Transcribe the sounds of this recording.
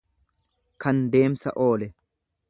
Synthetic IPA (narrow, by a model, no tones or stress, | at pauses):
kɐnd̪e̞ːmsɐ̰ʔo̞ːlɛ